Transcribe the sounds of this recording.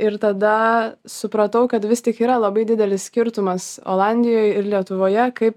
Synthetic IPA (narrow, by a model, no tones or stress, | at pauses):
ɪɾt̪ɐd̪ɐsʊpɾɐt̪ɐʊkɐt̪ʋʲɪst̪ʲɪkiːɾɐlˠɐbɐɪdʲɪd̪ʲɛlʲɪssʲkʲɪɾt̪ʊmɐso̰lˠɑnʲd̪ʲɪjoːjɪɾlʲiɛt̪ʊʋoːjɛkɐɪp